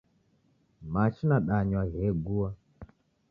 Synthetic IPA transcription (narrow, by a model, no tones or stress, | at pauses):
mat͡ʃinaɗaɲwaɣɛɡuwa